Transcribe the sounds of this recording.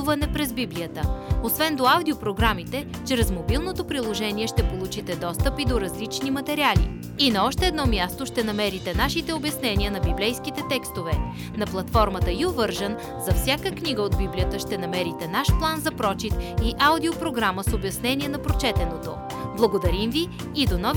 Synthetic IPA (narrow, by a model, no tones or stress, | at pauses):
uvɐnɛpɾɛzbibliət̪əosvɛnd̪oawd̪iopɾoɡɾamit̪ɛ | t͡ʃɾɛzmobilˠnot̪opɾilˠoʒɛniɛʃt̪ɛpolˠut͡ʃit̪ɛd̪ɔst̪əpid̪oɾɐzlit͡ʃnimɐt̪ɛɾialḭ | inɐɔʃt̪ɛːd̪nɔmʲjast̪oʃt̪ɛnɐmɛɾit̪ɛnaʃit̪ɛobjɐsnɛniənɐbiblɛjskit̪ɛt̪ɛkst̪ovɛ | nɐplˠɐt̪fɔɾmət̪əiovɤɾʒən | zɐfsʲjakəkniɡəod̪̚biblijət̪əʃt̪ɛnɐmɛɾit̪ɛnaʃplˠanzɐpɾɔt͡ʃit̪iʔawd̪iopɾoɡɾaməsobjɐsnɛniɛnɐpɾot͡ʃɛt̪ɛnot̪o̰ | blˠɐɡod̪ɐɾimviː | d̪onɔ